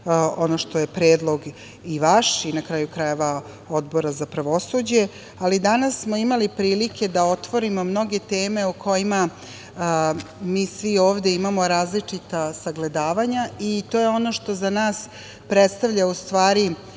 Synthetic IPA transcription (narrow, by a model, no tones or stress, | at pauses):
o̞noʃt̪o̞jepɾe̞ːd̪lˠo̞ɡ | iʋaʃinakɾajukɾajeʋa | o̞d̪bo̞ɾazapɾaʋo̞sud͡ʑe̞ | alid̪anasːmo̞imalipɾiːlikʰe̞d̪ao̞t̪ʋo̞ɾimo̞mno̞ɡe̞t̪eːme̞ukʰo̞jima | miːsʋio̞ːʋd̪e̞imamo̞ɾaːzlit͡ʂit̪asaɡle̞d̪aːʋaɲait̪o̞jeo̞no̞ʃt̪o̞zanaːs | pɾet̪st̪aʋʎaust̪ʋaːɾi